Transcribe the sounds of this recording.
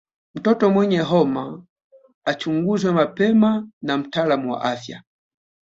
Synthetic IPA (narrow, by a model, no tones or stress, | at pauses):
m̩tɔtɔmwɛɲɛɦɔma | at͡ʃuŋɡuzwɛmapɛmanam̩talamuwa̰ʔafja̰